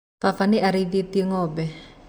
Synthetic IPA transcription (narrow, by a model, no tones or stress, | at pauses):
fafaniʔaɾivit̪iŋɔbɛ